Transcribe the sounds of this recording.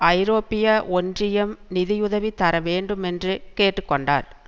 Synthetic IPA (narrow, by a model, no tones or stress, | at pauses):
ɐɪɾoːpːɪjɐʔɔndrɪjɐmnɪðɪjʊðɐʋit̪ːɐɾɐʋeːɳɖɯmɛndrɯkeːʈːɯkːɔɳɖa̰ːɾ